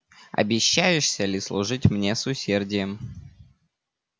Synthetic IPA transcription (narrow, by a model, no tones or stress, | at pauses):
ɐ̰bʲɪɕːæjɪʂsʲəlʲɪslˠʊʐɨtʲmnʲe̞sʊsʲerdʲɪjəm